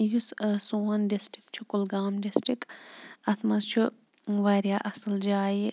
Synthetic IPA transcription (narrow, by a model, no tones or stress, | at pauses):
jussoːɐnɖisʈikt͡ʃʰukulɡaːmɖisʈɾikɐt̪ʰmɐzt͡ʃʰu | ʋɐɾjaːʔɐsɨld͡ʒaːji